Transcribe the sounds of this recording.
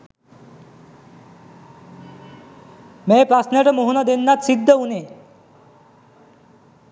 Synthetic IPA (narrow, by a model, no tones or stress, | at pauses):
mɛːpɾasnaʈəmoɦunɔd̪enːat̪sid̪ʱːəune